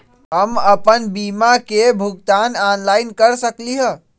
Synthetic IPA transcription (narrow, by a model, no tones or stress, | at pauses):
ɦəməpənbimakebʱuɡ̚t̪ananlaɪnkəɾsəkliɦə̃